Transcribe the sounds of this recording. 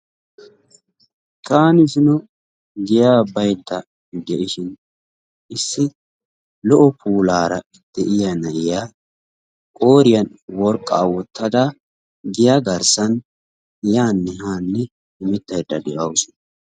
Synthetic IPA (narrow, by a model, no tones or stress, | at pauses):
kaːnɪsɪnɔ | ɡɪjaːbɐjd̪ːɐ | ɡ̪ɛʔɪʃɪn | ɪsːɪ | lɔʔɔpʰuːlaːɾɐ | d̪̥ɛʔɪjɐnɐʔɪjaː | kʼo̞ːɾɪjɐnwɔɾkʼːaːwɔt̪ːɐd̪aː | ɡɪjaɡɐɾsɐn | jaːnːɛhaːnːɛ | ɪmɛt̪ːɐjd̪ːɐd̪ɛʔɐwsʊ̥nɐ